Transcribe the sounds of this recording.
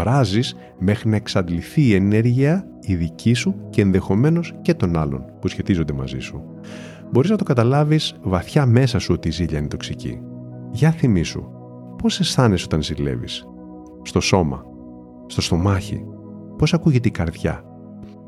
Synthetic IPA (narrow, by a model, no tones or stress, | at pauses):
vɾɐzis | me̞xɾinɐe̞ksɐd̪liθiːe̞ne̞ɾʝiɐ | iðicisuceːnðe̞xo̞me̞no̞sce̞t̪o̞nɐlo̞̰npusçe̞t̪izond̪e̞mɐ̰zḭsu | bo̞ɾiznɐt̪okɐt̪ɐlɐvizvɐθçɐme̞sɐsuo̞t̪iːziʎɐinet̪oksicḭ | ʝɐθimisṵ | po̞se̞sθɐneso̞t̪ɐnzilḛvḭs | st̪o̞so̞mɐ̰ | st̪o̞st̪o̞mɐçḭ | po̞sɐkuʝe̞t̪eikɐɾðʝɐ̰